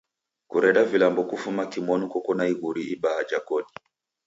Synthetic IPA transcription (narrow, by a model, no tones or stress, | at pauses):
kuɾɛɗavilambɔkufumakimɔnukɔkɔnaiɣuɾiiɓaad͡ʒakɔɗi